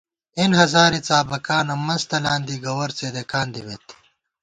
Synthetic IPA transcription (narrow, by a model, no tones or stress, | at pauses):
inɦɐzaːɾit͡saːbɐkaːnomɐnzt̪ɐlaːnd̪iɡɐwɐɾt͡seːd̪ekaːnd̪iwet̪